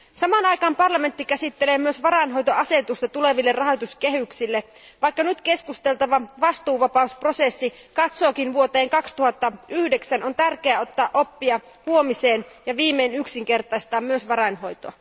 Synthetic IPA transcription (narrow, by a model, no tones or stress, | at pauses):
sɑmɑnɑjkɑːmpɑrlɑme̞nt̪ːikæsit̪ːeleːmyøsʋɑɾɑnɦo̞jt̪oɑse̞t̪ust̪ɑt̪ule̞ʋilːerɑɦojt̪uske̞ɦyksilːe | ʋɑikːɑnyt̪ke̞skust̪e̞lt̪ɑʋɑʋɑst̪uːʋɑpɑusprosesːikɑt̪so̞ːkinʋuot̪eːŋkɑkst̪uhɑt̪ːɑyhdeksænont̪ærkeæːo̞t̪ːɑːʔo̞pːiɑ | huo̞mise̞ːnjɑʋiːmːeːnyksiŋke̞rt̪ɑist̪ɑːmmyøsʋɑɾɑinho̞jt̪oɑ